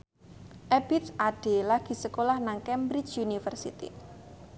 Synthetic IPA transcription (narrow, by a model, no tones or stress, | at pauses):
ʔɛbit̪saɖ̥e̤laɡ̥i̤səkolahnaŋkɛmbɾit͡ʃunifərsit̪ḭ